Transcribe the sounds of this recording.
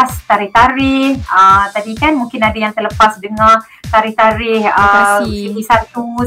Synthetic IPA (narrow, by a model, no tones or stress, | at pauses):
ast̪aɾɪht̪aɾɪhət̪adikanmũŋkɪnadajaŋt̪ərləpasdəŋã | t̪aɾɪht̪aɾɪhəsipisat̪u